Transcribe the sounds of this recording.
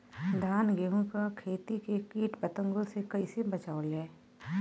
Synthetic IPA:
d̪ʱaːnɡeːɦõkakʰeːt̪ikekiːʈpət̪ə̃ŋɡõsekɐisebɐt͡ʃaːolɛː

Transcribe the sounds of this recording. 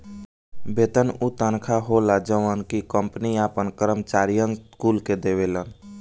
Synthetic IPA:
beːt̪ənut̪ənkʰaɦolad͡ʒəʋənkikəmpniaːpənkəɾəmt͡ʃaːɾijənskuːlked̪eʋelən

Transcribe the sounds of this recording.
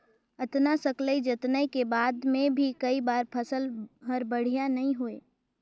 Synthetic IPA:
ət̪nasəkləid͡ʒət̪nəikebaːd̪mẽbʱikɐibaːɾpʰəsəlɦɐɾbəɽ̤ijanɐɦĩɦueː

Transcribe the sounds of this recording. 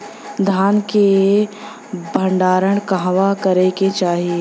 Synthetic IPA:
d̪ʱaːnke | bʱə̃ɳɖaːɾəɽ̃kaɦʋakəɾeket͡ʃaːɦie

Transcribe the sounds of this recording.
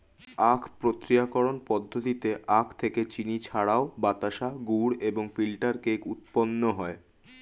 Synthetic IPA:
akʰpɾot̪ɾijakoɾonpɔd̪ʱːot̪it̪eʔakʰt̪ʰeket͡ɕinit͡ɕʰaɽaobat̪aʃaɡuɽeboŋfilʈaɾkejkut̪̚ponːoɦɔe

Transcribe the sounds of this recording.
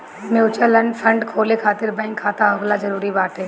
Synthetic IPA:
meːt͡ʃəlɐ̃ɳɖfʰɐ̃ɳɖkʰoːlekʰaːt̪ɪɾbãɪŋkʰːaːt̪aɐɡlazɐɾuːɾibaːt̪ɦɛː

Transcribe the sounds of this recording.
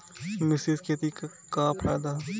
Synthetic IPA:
mɪsizket̪ika | kaːpʰɾa̰ːd̪a

